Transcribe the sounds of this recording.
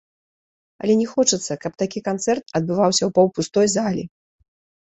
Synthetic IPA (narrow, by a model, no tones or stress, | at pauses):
ɐ̰lʲɛnʲɛxɔt͡ʂɨt̪sːɐkɐp̚t̪akʲikant̪sɛrt̪ɐd̪̚bɨvawsʲɐwpɐwpust̪ɔjzalʲḭ